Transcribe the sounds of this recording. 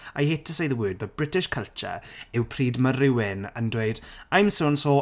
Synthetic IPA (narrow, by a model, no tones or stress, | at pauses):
ajheːtʰəsejðəwəːd̚bəbɹɪtɪʃkʰəlˠt͡ʃə̰ɪwpʰriːdməɾɪwɪnə̰̃ndwejd̥ãjmsonso